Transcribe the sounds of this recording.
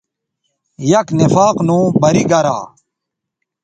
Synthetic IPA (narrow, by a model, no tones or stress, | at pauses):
jɐknifaːqnũːbɐɾiɡɐɾa̰ː